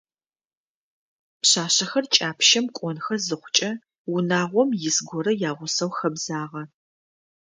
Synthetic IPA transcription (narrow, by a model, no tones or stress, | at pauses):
pɕaːɕɐxɐrt͡ʃʼaːpʰʃɐmkʷʼɔnxɐzɨχʷʊt͡ʃʼɐ | wʊnaːʁʷɔmjɪsɡʷɔɾɐjaːʁʷʊsɐwxɐbzaːʁɐ